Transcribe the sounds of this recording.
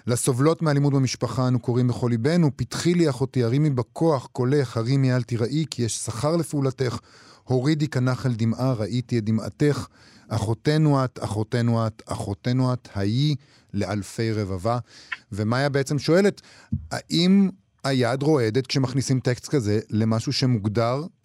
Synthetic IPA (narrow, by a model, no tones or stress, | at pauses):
laso̞vlo̞tmealimud̚bemiʃpaχaanuko̞ʁimbeχo̞libe̞nupitχiliaχo̞tiaʁimibakʰoaχko̞leχhaʁimialt̪iʁaʔikijeʃsaχaʁlefiulate̞χ | ho̞ʁidikanaχaldimʔaʁaʔitiedima̰te̞χ | ʔaχo̞te̞nuata̰χo̞tenuata̰χo̞tenuathaji | le̞ʔalfe̞jʁevavavemajabeet͡se̞mʃo̞e̞let | ha̰ʔim | ajadʁo̞e̞d̪et̪kʃemaχnisimtekstkaze̞le̞maʃuʃe̞muɡdaʁ